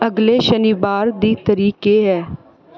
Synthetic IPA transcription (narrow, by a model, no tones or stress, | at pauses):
əɡleːʃəniːbaːɾd̪iːt̪əɾiːkeːɦɛː